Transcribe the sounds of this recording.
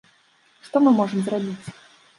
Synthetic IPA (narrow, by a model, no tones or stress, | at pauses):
ʂt̪ɔmɨmɔʐɨmzrabʲit͡sʲ